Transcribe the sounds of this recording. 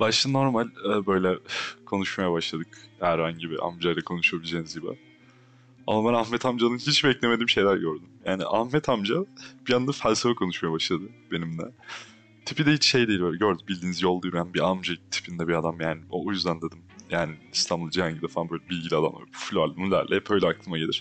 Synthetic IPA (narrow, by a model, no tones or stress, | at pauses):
baʃˠɯno̞ɾmalʲɛːbø̞jlʲɛkʰo̞nuʃmajabaʃlˠad̪ɯkhæɾhaɲɟibḭʔa̰md͡ʒajlakʰo̞nuʃujabilʲd͡ʒejnizɟibɛ̰ | a̰mabænahmɛt̪ʰamd͡ʒad̪ɯnhit͡ʃbɛclʲeme̞d̪imʃe̞jlʲæɾɟøɾd̪ymjaːnḭʔahmɛt̪ʰamd͡ʒab̥ijand̪afælʲsefɛkʰo̞nuʃmajabaʃlˠad̪ɯbe̞nimd̪ɛ̰ | t̪ʰipʰid̪ɛhit͡ʃʃe̞jd̪e̞jilʲbøjlʲɛɟøɾd̪ymbilʲd̪iːnizjo̞lˠd̪ujɾænbiamd͡ʒat̪ʰi̥pʰind̪ɛbiad̪amjaːnio̰ujyzd̪ænd̪ed̪imjaːniːst̪ʰanbɯlˠd͡ʒihaɲɟid̪ɛfaanbø̞jlʲɛbilʲɟilʲiad̪a̰m̰flʲoalˠɯmlʲæ̰ɾlʲʔɛɛpø̞jlʲɛaklˠɯmaɟelʲiɾ̥